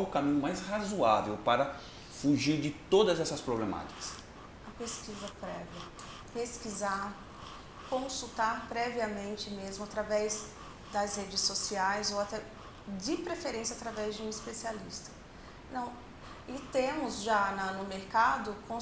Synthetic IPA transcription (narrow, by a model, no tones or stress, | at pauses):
ʊkamĩɲʊmajshazua̰vewpaɾɐ | fuʒiɾd͡ʒɪt̪od̪ɐzɛsɐspɾoblema̰t͡ʃi̥kɐ̥s | ɐpeskizɐpɾɛviɐ | peskizaɾ | kõsut̪aɾpɾɛviɐmẽnt͡ʃɪmezmʊat̪ɾavɛz | d̪ɐsɦed͡ʒɪsːosiajzowat̪ɛ | d͡ʒɪpɾefeɾẽsiɐat̪ɾavɛzd͡ʒɪũispesialḭst̪ɐ̥ | nɐ̃w̃ | ɪt̪ẽmʊzʒanɐnʊmeɾkad̪ʊkʰõ